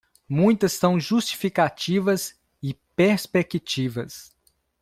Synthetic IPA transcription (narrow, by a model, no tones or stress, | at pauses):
mũj̃t̪ɐsːɐ̃w̃ʒust͡ʃi̥fikat͡ʃivɐz | ɪpeɾspekit͡ʃivɐ̰s